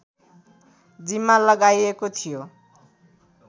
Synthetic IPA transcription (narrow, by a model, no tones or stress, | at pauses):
d͡zimːalʌɡajekot̪ʰijo